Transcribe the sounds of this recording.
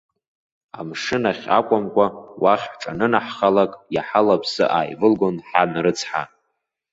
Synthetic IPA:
amʂɨnaχʲa̰kʷʼamkʷʼawaχʲħʈ͡ʂʼanɨnaħχalakʼjaħalapʰsɨ̰ʔaːjvɨlɡo̞nħanrɨt͡sʰħa

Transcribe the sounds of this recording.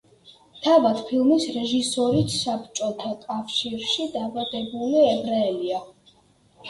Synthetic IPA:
t̪ʰavad̪pʰilˠmisɾɛʒisɔɾit̪sapt͡ʃʼɔt̪ʰakʼafʃiɾʃid̪abad̪ɛbuliɛbɾaɛlia

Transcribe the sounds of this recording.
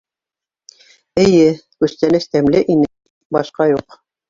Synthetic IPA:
ɘ̆jɘkʉst̪ænɘst̪æmlɘʔinɘ | bɑʃqɑjuq

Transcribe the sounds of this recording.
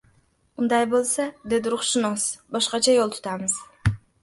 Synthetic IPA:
und̪ɑjbolˠsad̪e̞d̪ɪɾʊχʃʊnosbɒʃqɑt͡ʃʰajolˠt̪ʰʊ̥t̪ʰɑmɨz̥

